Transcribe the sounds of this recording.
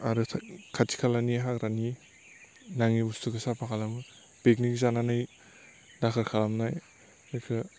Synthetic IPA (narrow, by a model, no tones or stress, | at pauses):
aɾɯtʰkʰatʰi̥kʰalaniɦakɾani | naŋibustʰukasapʰakʰalam | bek̚nikzananɯj | dakʰɯɾkʰalamnaj | ɯkʰɯ